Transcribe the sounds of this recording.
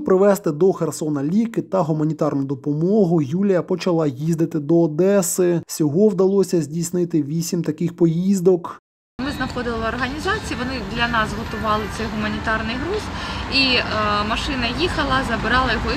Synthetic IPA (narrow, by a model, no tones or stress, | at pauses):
pɾɪʋɛst̪ɪd̪ɔxersɔnɐlʲikɪt̪ɐɦʊmɐnʲit̪ɑrnʊʊd̪ɔpɔmɔɦʊjulʲijɐpɔt͡ʃɐlˠɑjizd̪ɪt̪ɪd̪ɔːd̪ɛsɪsʲɔɦɔwd̪ɐlˠɔsʲɐzʲdʲijsnɪt̪ɪʋʲisʲimt̪ɐkɪxpɔjizd̪ɔk | mɪznɐxɔd̪ɪlˠɪɔrɦɐnʲizɑt͡sʲijiʋɔnɪd̪lʲɐnɑsɦɔt̪ʊʋɑlˠɪt̪sɛjɦʊmɐnʲit̪ɑrnɪjɦɾuzimɐʃɪnɐjixɐlˠɐzɐbɪɾɑlˠɐjɔɦɔ